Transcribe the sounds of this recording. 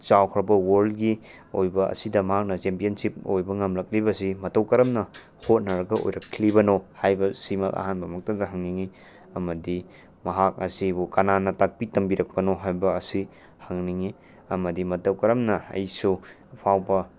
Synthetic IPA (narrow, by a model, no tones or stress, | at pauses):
t͡ʃawkʰɾɐbɐwoɾlɡi | ojbɐɐ̰sidɐmɐɦak̚nɐt͡ʃempijɐnsip̚ojbɐŋɐmlɐk̚libɐsimɐtɐwkɐɾɐmnɐ | hot̚nɐɾɐɡɐʔo̰jɾɐkʰlibɐnohajbɐsimɐlʔa̰hanbɐmɐk̚tɐdɐɦɐŋniŋi | ɐmɐdi | mɐɦak̚ɐsibukɐnanɐtak̚pitɐmbiɾɐk̚pɐnoɦajbɐːsi | hɐŋniŋi | ɐmɐdimɐtɐwkɐɾɐmnɐɐ̰jsu | pʰawbɐ